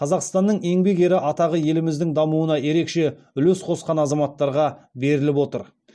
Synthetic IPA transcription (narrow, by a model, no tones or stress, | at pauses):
qʰɑzɑqst̪ɑnːəɴe̞ŋbe̞ɡe̞ɾɪʔɑt̪ɑʁəje̞lɪmɪzd̪ɪŋd̪ɑmuənɑje̞ɾe̞kʃe̞ | ʏlɵsqʰo̞sqɑnɑzɑmɑt̪ːɑɾʁɑbe̞ɾɪlɪpwo̞t̪əɾ